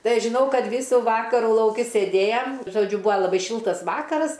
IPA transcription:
ˈtɐɪ ˈɐʃ ʒʲɪˈnɐʊ ˈkɐt ˈʋʲiːsuː ˈʋɑːkɐruː lˠɐʊˈkʲɪ sʲeːˈdʲeːjɛm ʒoːˈd͡ʒʲʊ ˈbʊɐ lˠɐˈbɐɪ ˈʃʲɪlˠtɐs ˈʋɑːkɐrɐs

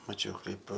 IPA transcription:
mɐˈt͡ʃʲɛʊ ˈkɐɪp

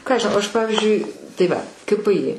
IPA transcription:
ˈkɑː ɐʃ ʒʲɪˈnɐʊ ˈɐʃ ˈpɑːʋʲɪzʲd͡ʒʲʊɪ tɐɪ ˈʋɐ kɐ pɘ ɪ

